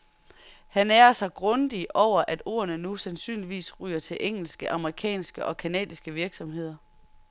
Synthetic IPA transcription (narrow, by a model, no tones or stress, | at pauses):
hænːæːɐsɑ̈ɪɡ̥ʁɔ̽nd̥iʔɒʊ̰ɐʔæd̥o̝̰ːɐnənusænsy̰ːnliʋḭːsʁy̰ːɐt͡sʰe̝lʔeŋ̰l̩sɡ̥əʔɑ̈məʁikʰɛ̰ːnsɡ̥əʔɒ̽kʰænɛ̰ːðˠisɡ̥əʋiɐɡ̥sɒ̽mɦe̝ð̞̰ˠɐ